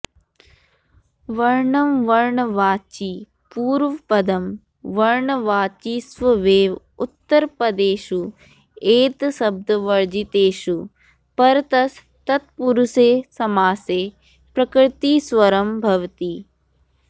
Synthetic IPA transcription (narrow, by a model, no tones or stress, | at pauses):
ʋɐɾɳɐmʋɐɾɳɐʋaːt͡ʃi | puːɾʋɐpɐd̪ɐm | ʋɐɾɳɐʋaːt͡ʃiːsʋɐʋeːʋ | ut̪ːɐɾpɐd̪eːʃu | eːt̪sɐb̚d̪ɐʋɐɾd͡ʒit̪eːʃu | pɐɾt̪ɐs | t̪ɐt̪̚puɾuseːsɐmaːseː | pɾɐkɾɪt̪iːsʋɐɾɐmbʱɐʋt̪i